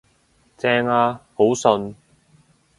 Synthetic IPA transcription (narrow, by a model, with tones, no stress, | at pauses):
t͡sɛː˧ŋaː˧ho˨˥wsɵ˧n